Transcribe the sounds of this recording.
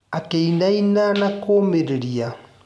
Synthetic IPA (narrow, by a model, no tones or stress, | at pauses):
akeinainanakomeɾeɾia